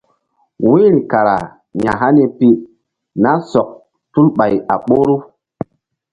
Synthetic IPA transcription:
wi˦ɾi˨ka˨ɾa̰˨ | ɲa˨ɦa˦ni˦pi˦ | na˦sɔ˨k̚ | tu˦lɓa˨ja˨ɓo˦ɾu˦

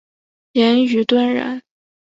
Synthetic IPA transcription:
jɛ˧˥ny˧˥t̪wa˥nɻə̰˧˥n

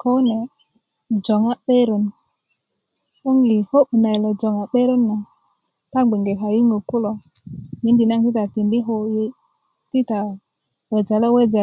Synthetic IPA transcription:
ko˦ne˨ | d͡ʒo˨ŋa˦ɓe˦ɾo˨n | u˦ŋɡi˨ho˦ɓu˨na˨jlo˨d͡ʒo˨ŋa˨ɓe˦ɾo˦nːa˨ | ta˦ɡ͡be˨ŋɡe˨ɦa˨ji˦ŋɡo˨ku˦lo˨ | mi˨˦ndi˨na˦ŋti˦ta˨ti˨ndi˦ɦo˨je˦ | ti˦ta˨ | we˨d͡ʒa˨la˦we˦d͡ʒa˨

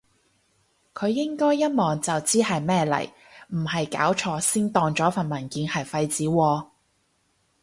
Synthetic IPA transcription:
kʰɵ˨˧ɥːɪ˥ŋkɔː˥jːɐ˥n̚mɔː˨˩ŋt͡sɐ˨wt͡siː˥hɐ˨jmɛː˥lɐ̰˨˩j | m̩˨˩hɐ˨jka̰ː˨˥wt͡ʃʰɔː˧siː˥nt̪ɔː˧ŋt͡sɔː˨˥fɐ˨˩nmɐ˨˩nkiː˨˧nhɐ˨jfɐ˧jt͡siː˨˥wɔː˧

